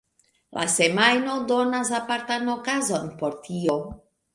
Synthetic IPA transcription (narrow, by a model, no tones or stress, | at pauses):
lʔa̰se̞majno̞do̞nas̬apaɾtano̞kazo̞npo̞ɾtio̞